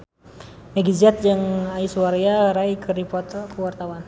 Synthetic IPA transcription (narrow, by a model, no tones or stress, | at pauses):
mɛɡiziɛt̪̚d͡ʒəŋaisuwaɾiaɾaikəripɔt̪əkəwart̪awan